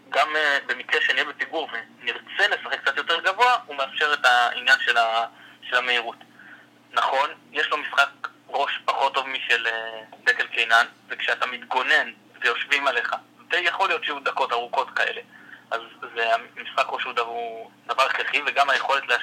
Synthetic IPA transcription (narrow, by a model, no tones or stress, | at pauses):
ɡamebe̞mikʁeʃenijebepiɡuʁveniʁt͡se̞le̞saχek̚t͡sat̪jote̞ʁɡavoaumeafʃe̞ʁetaḭnjanʃe̞laʃe̞lhameiʁut | naχo̞njeʃlo̞misχak̚ | ʁo̞ʃpaχo̞tːo̞vmiʃeledekelkejnanvekʃeatamit̪ɡo̞ne̞n | vejo̞ʃvimale̞χavejaχo̞lijo̞tʃeud̪ako̞taʁuko̞tkaʔe̞̰le̞ʔazːeamisχakʁoʃudavud̪avaʁeχeχiveɡamhaje̞χo̞le̞tlea